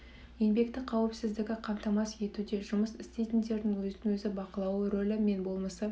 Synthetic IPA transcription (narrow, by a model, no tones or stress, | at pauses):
je̞nbe̞kt̪ɪqʰɑwɪpsɪzd̪ɪɡʲɪqʰɑmt̪ɑmɑsje̞t̪ud̪e̞ʒʊməsɪst̪e̞jt̪ɪnd̪e̞ɾd̪ɪŋwɵzɪnɪŋwɵzɪbɑqəlˠɑwəɾo̞lʲɪme̞nbo̞lˠməsə